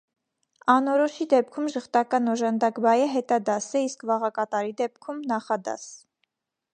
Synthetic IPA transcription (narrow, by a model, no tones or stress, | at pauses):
ɑnɔɾɔʃid̪ɛp̚kʰumʒəχt̪ɑkɑnɔʒɑnd̪ɑkbɑjəɦɛt̪ɑd̪ɑsɛiskvɑʁɑkɑt̪ɑɾid̪ɛp̚kʰumnɑχɑd̪ɑ̰s